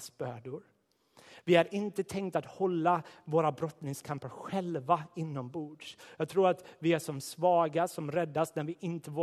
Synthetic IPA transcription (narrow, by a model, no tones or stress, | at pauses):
sb̥œːɖʊɾ | vɪæɾɪnt̪ət̪ʰɛŋkt̪at̪hɔlːavoːɾabɾɔt̪nɪŋskʰampəɾɧɛlvaɪnːɔmbuːɖ̪ʂjɑːɡ̚t̪ʰɾuːɾat̪vɪæʂɔmsvɑːɡasɔmɾɛd̪ːasnæɾvɪʔɪnt̪əvoː